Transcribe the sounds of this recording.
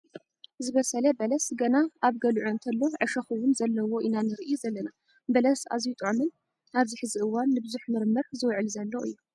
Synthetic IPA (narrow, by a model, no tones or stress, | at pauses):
zɨβɐsɐlɐbɐlɐsɡɐnaʔaβɡɐlʕoɨnt̪ʰɐlːo̞ʕɨʃɐxɨwʊnzɐlːɐwo̞ʔinanɨɾɨʔijuzɐlːɐna | bɐlɐsa̰zjut̪ʼɨʕʊmɨn | ʔaβziħɨziʔɨwːanːɨbɨzuħmɨɾmɐɾzɨwʕɨlzɐlːoʔɨjːu